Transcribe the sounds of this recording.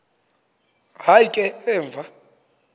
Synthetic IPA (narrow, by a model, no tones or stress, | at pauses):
hajkʼɛɛːɱvʱa